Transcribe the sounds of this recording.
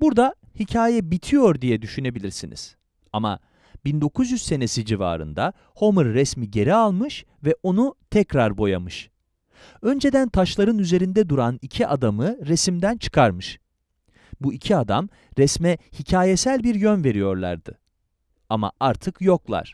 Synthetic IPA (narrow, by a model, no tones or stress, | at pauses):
buɾd̪a | hicʰaːjɛbit̪ʰijo̞ɾd̪ijɛd̪yʃyne̞bilʲiɾsinḭz̥ | ama̰ | b̥ind̪o̞kʰuzjyzse̞ne̞sid͡ʒiva̰ːɾɯ̰nd̪a | ho̞mɯɾːɛsmiɟe̞ɾialˠmɯʃ | vɛʔo̞nut̪ʰɛcɾaɾbo̞ja̰mɯʃ | ø̞nd͡ʒe̞d̪ænt̪ʰaʃlˠaɾɯnyze̞ɾind̪ɛd̪uɾanicʰiʔad̪amɯɾesimd̪ænt͡ʃʰɯ̥kʰaɾmɯʃ | buicʰiad̪am | ɾɛsmɛhicʰaːjesælʲbiɾjønve̞ɾijo̞ɾlˠa̰ɾd̪ɯ̰ | ama̰aɾt̪ʰɯkjo̞klˠa̰ɾ̥